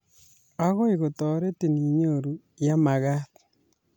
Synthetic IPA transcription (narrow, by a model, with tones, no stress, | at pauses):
a˦ɣɔ˦i˨ɣo˨tɔ˨ɾe˦ti˨ni˨ɲo˦˨ɾu˨ | ja˦ma˨ɣa˦t